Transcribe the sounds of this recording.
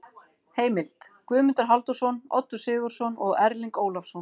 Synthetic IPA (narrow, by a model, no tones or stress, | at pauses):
heːjmɪlt̪kvʏːmʏnt̪ʏɾ̥ɦalt̪ɔsɔnɔ̰t̪ːʏɾ̥sɪːɣʏɾ̥sɔnɔɣɛɾliŋkoːwlafsɔn